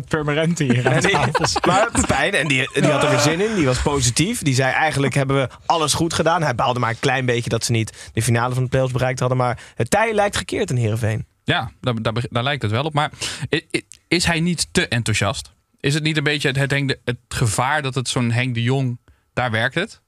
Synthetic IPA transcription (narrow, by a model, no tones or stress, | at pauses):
pɛɹmanɛntiɛndifˠsmaːpɛjnɛndidiɦɑtəbəzɪnɪndiʋɑspowzitifdizɛjʔɛjχəndləkɦɛbəʋə | ʔɑlˠəsχutχədaːnɦɛjbalˠdəmaːɹəklɛjnbejcədɑtsənitd̥əfinaːləvɑndəplejɔlˠzbərɛjk̚tɦɑdənmaːɹɦəttɛjəlɛjktχəɹkɪːɹtənɦɪːrəvejn | jaːdadaːbədaːɹlɛjk̚tətʋɛlˠɔp̚maːɹ | ɪsɦɛjnitːəʔɛntuʃɑ̰st | ɪsətnitənbejjətɦətɦɛŋdəətχəv̥aːɹdɑtətsonɦɛŋdəjʊŋ | d̥aːɹʋɛɹk̚tət